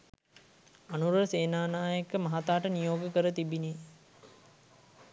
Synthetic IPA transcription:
ɐnuɾəseːnaːnaːjekəmɐɦat̪aːʈənijoːɡəkəɾət̪ibine

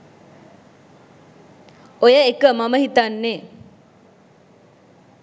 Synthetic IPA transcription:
ojəekəmaməɦit̪anːe

